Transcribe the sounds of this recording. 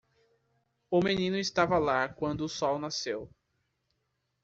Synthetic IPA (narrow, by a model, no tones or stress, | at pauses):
ʊmẽnĩnʊɪst̪avɐlakwɐ̃nd̪ʊːsɔwnasew